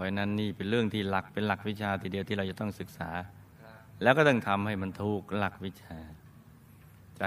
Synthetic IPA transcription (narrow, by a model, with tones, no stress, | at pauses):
pʰɔ˧˩jna˦˧˥nːiː˥˩pe˧nɾɯ˥˩əŋt̪ʰiː˥˩la˨˩k̚pe˧nla˨˩k̚wi˦˥t͡ɕʰaː˧t̪ʰiː˨˧di˧əwt̪ʰiː˥˩ɾa˧wt͡ɕa˨˩t̪ɔ˥˩ŋsɯ˨˩k̚sa̰ː˩˦ | lɛː˦˥wkɔ˥˩t̪ɔ˥˩ŋt̪ʰa˧mha˥˩jma˧nt̪ʰuː˧˥˩k̚la˨˩k̚wi˦˥t͡ɕʰaː˧ | t͡ɕa˨˩